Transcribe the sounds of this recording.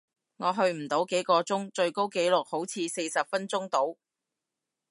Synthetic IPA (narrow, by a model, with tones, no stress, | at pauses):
ŋɔː˨˧ɦɵ˧ɥm̩˨˩t̪o˨˧˥wke˨˥jkɔː˧t͡sʊ˥ŋt͡ʃɵ˧ɥko˥wke˨˥jlʊ˨k̚ho˨˥wt͡sʰiː˨˧se˧jsɐ˨p̚fɐ˥nt͡sʊ˥ŋt̪o˨˥w